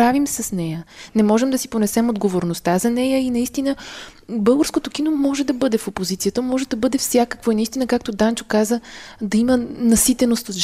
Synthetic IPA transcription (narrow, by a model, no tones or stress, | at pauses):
ɾavimsəsnɛjənɛmɔʒɛmd̪ɐsiponɛsɛmod̪ɡovoɾnost̪azɐnɛjəinɐist̪inəbɤlˠɡəɾskot̪ok̟inomɔʒɛd̪ɐbɤd̪ɛfopozit̪sijət̪əmɔʒɛd̪ɐbɤd̪ɛfsjakəkvoinist̪inəkak̚t̪od̪ant͡ʃo̥kazəd̪ɐimənɐsit̪ɛnost̪ʒ